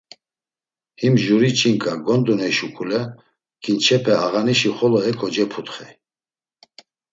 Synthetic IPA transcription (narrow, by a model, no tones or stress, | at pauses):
himʒuɾit͡ʃʼiŋkʼaɡɔnd̪unɛʃukʰulɛ | ɡ̥ʰint͡ʃʰɛpʰɛaɣaniʃiχɔlɔɛkʰɔd͡ʒɛpʰut̪χɛ